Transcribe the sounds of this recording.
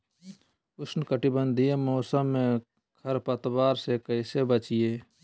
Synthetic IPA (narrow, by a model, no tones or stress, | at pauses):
ʊsnkəʈibə̃nd̪ʱiemɔːsəmːẽ | kʰəɾpət̪waːɾsekəɪsebət͡ʃijeː